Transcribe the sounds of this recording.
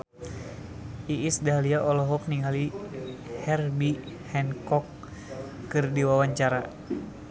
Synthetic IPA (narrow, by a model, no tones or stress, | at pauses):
iʔːsdaliaʔɔlɔɦɔk̚niŋali | hɛrbi | hɛnkɔkː | ɨrdiwawaɲt͡ʃaɾa